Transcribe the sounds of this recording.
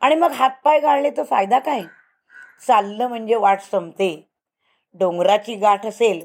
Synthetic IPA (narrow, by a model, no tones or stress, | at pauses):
aɽ̃iməɡɦat̪̚pajɡʱaɭlet̪ofajd̪akaj | t͡salːəm̤əɳd͡ʑeʋaʈʰsəmt̪e | ɖoŋɡɾat͡ɕiːɡaʈʰəsel